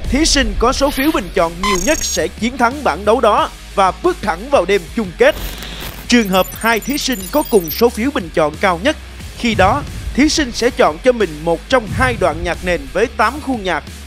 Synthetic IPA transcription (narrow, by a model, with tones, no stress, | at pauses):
t̪ʰi˨˦sï˧ŋ̟kɔ˨˦so˨˦fi˨˦əwɓï˨˩ŋ̟t͡ɕɔ̰˧˨nɲi˨˩əwɲə˦˥t̚sɛ̰˧˥˩t͡ɕi˨˦ənt̪ʰa˨˦ŋɓa̰ː˧˩nɗə˨˦wɗɔ˨˦ | vaː˨˩ɓɨ˦˥ək̚t̪ʰa˧˩ŋvaː˨˩wɗe˧mt͡ɕʊ˧ŋ͡mke˦˥t̚ | t͡ɕɨ˨˩əŋɦəː˨˩p̚haː˧jt̪ʰi˨˦sï˧ŋ̟kɔ˨˦kʊ˨˩ŋ͡mso˨˦fi˨˦wɓï˨˩ŋ̟t͡ɕɔ̰˧˨nkaː˧wɲə˦˥t̚ | xi˧ɗɔ˨˦t̪ʰi˨˦sï˧ŋ̟sɛ̰˧˥t͡ɕɔ̰˧˨nt͡ɕɔ˧mï˨˩ŋ̟mo˨˩t̚t͡ɕɔ˧wŋ͡mhaː˧jɗwa̰ː˧˨nɲaː˨˩k̚ne˨˩nvəː˨˦jt̪aː˨˦mxu˧ɲaː˨˩k̚